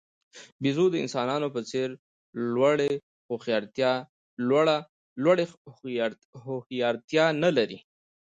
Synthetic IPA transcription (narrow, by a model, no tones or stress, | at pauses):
bizod̪əɪ̰nsɑnɑnopət͡seɾ | lwaɽe | xoxjɑɾt̪jɑ | lwaɽa | lwaɽe | hxjɑɾt̪jɑnalaɾi